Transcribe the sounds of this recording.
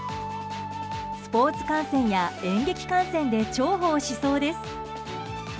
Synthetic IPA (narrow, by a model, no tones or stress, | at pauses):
sɨ̥po̞ːt͡sɨ̥kãɰ̃sẽ̞ɰ̃jaẽ̞ŋɡe̞kʲi̥kãɰ̃sẽ̞nd̪e̞t͡ɕo̞ːɦo̞ːɕiso̞ːd̪e̞sɨ̥